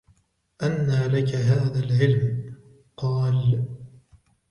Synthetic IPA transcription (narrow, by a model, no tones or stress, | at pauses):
ʔanːaːlakaɦaːðaːlʕɪlm | qɑːl